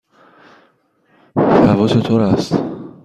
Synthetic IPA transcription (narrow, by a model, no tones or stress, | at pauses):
havɔset̪ʰɔɾast̪